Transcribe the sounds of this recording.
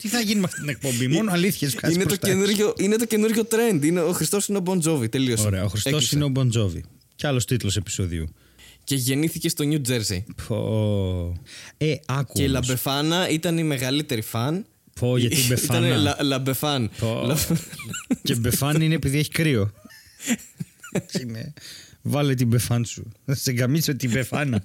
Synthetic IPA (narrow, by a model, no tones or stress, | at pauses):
t̪iθɐʝinimɐft̪it̪inek̚po̞mbimo̞noɐliθçeskɐinet̪osenuɾʝo̞ʔine̞t̪̬o̞ce̞nuɾʝo̞t̪ɾe̞nd̪ineoxɾist̪o̞sineobonzo̞vit̪e̞liossɾeɐoxɾist̪ossineobond͡zovḭ | ceɐlo̞st̪it̪ulosepi̥soðḭṵ | ce̞ʝe̞niθice̞st̪o̞ɲud͡ʒe̞ɾzḭpo̰ | eɐkueilɐbe̞fɐnɐit̪ɐnime̞ɣɐlit̪e̞ɾifɐn | poʝɐt̪ibeiɐɐneɐlɐbe̞fɐnlɐ | cebefɐnineːpiðie̞çi̥kɾio̞ | inevɐlet̪̬ibe̞fɐnsuseɡɐmiset̪ibefɐnɐ